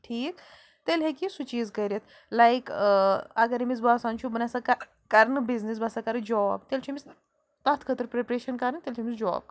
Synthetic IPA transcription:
ʈʰiːk | t̪elɦekisut͡ʃiːzkɐɾʲet̪ʰ | lajk | ɐɡɐɾimizbaːsant͡ʃʰubɐnasɐkɐ | kɐɾnɨbiznis̬bɐsɐkɐɾɨd͡ʒɔːbt̪elt͡ʃʰumis | t̪ɐt̪ʰkʰət̪ɾpɾepɾeːʃɐnkɐɾənt̪elt͡ʃʰimisd͡ʒɔ̰ːb̚k

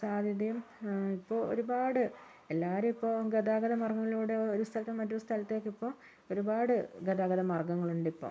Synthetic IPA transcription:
saːd̪ʱjɐðɐjum | ipːoːo̰ɾubaːɽɨ | elːaːɾumipːoːɡɐd̪aːɡɐðɐmɐrɡɐŋːɐɭiluːɽe̞oo̞ɾust̪ʰɐlɐt̪ːmɐtːoust̪ʰɐlɐt̪ːe̞ːkːipːo̞ː | o̞ɾubaːɽɨɡɐðaːɡɐðɐmɐrɡɐŋːɐɭuɳɖipːo̰ː

